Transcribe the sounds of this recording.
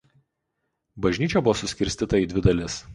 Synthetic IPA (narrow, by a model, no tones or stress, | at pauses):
bɐʒʲnʲiːt͡ʃʲɛbʊʋoːsʊsʲkʲɪɾʲsʲt̪ʲit̪ɐiːd̪ʲʋʲɪd̪ɐlʲɪs